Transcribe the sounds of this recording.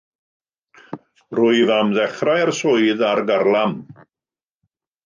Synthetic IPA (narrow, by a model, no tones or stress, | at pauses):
rʊɨvamðɛχrajarsʊɨðarɡarlˠam